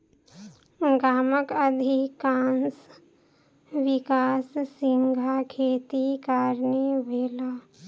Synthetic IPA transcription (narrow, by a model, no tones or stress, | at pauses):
ɡaːməkəd̪ʱikaːns | ʋɪkaːsːɪ̃ŋɡʱakʰeːt̪ikaːɾneʋeːlaː